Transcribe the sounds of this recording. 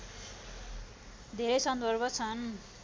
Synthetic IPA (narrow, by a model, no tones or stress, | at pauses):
d̪ʱeɾʌjsʌnd̪ʱʌrbʌt͡sʰʌn